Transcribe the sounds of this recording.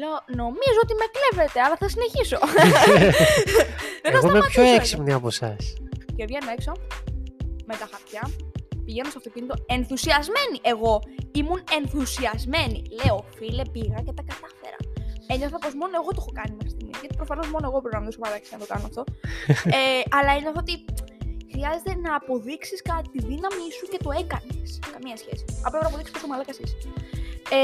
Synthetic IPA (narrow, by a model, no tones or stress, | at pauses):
lono̞mizoot̪ime̞klevet̪eɐlɐθɐsine̞çiso | ðeɐsɣommepçoeksipniɐpo̞sɐsce̞vʝenoekso | met̪ɐxɐɾt̪çɐpiʝenost̪oɐft̪o̞cʲinit̪o̞e̞nθusiɐzme̞niʔe̞ɣo̞imune̞nθusiɐzme̞nḭleofilepiɣɐcet̪ɐkɐt̪ɐfe̞̰ɾɐ̰eɲo̞θɐpo̞zmo̞noeɣo̞t̪ooxo̞kɐnimexɾi̥st̪imḭʝɐt̪ipɾofɐno̞zmo̞noɣopɾoɾɐment̪osomɐlɐkɐ̥snɐt̪o̞kɐnoɐft̪o̞ | eɐlɐineɐft̪oot̪ixɾiɐzet̪enɐːpo̞ðiksiskɐt̪it̪iðinɐmisuce̞t̪o̞e̞kɐneskɐmiɐsçḛsi̥ɐplopinɐpoðiksi̥postomɐlɐkɐsis | e